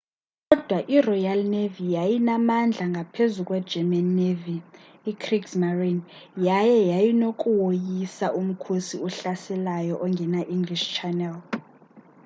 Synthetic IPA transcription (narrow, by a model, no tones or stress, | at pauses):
kʼɔd̥ʱwaʔirɔjalnevijajinamand͡ɮʱaŋɡʱapʰezuk̬ʼwɛ̥d͡ʒɛmanːeviː | kʰriksmarinjajɛjajinokʼuwojisaʔum̩kʰusiuɬasɛlajɔʔɔŋɡʱɛnaʔiŋɡliʃt͡ʃʰɛnɛl